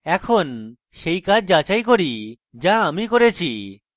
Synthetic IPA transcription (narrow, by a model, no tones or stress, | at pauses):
ɛkʰon | ʃejkad͡ʑʱd͡ʑat͡ɕajkoɾi | d͡ʑaamikoɾet͡ɕʰi